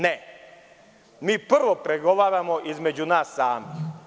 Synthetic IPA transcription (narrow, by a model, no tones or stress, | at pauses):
ne | miːpr̩ʋopɾeɡoʋaːɾamoʔizmed͡ʑunaːsːaːmi